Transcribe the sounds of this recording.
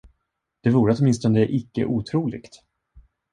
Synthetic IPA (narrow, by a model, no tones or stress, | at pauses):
d̪̥ɛvuːɾət̪ɔt̪mɪnst̪ɔnd̪ɛʔɪkːə̰ʔuːt̪ʰɾuːlɪ̰ɡt̪